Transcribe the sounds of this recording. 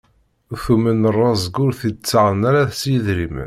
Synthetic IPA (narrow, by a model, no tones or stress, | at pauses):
θumənərˤːɑzɡʊɾθit͡sːaʕənaɾæθsjəðɾimə̰n